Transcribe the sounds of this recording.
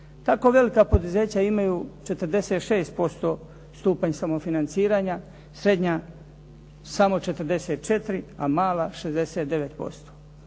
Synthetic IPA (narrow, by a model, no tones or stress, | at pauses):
t̪ako̞ʋe̞likapo̞d̪uze̞ːt͡ɕaimajut͡ʃe̞t̪ɾ̩d̪e̞set̪ʃeːst̪̚po̞st̪o̞ː | st̪uːpaɲsamo̞finant̪siːɾaɲa | sɾe̞d̪ɲa | samo̞t͡ʃe̞t̪ɾd̪e̞set̪̚t͡ʃe̞t̪ɾia̰maːlaʃe̞zd̪eseːt̪̚d̪e̞ʋet̪po̞̰st̪o̥ː